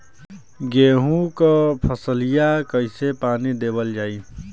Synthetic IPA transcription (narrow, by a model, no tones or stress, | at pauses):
ɡeɦũkəpʰəsəlijakəɪsepaːnid̪ebəld͡ʒaːi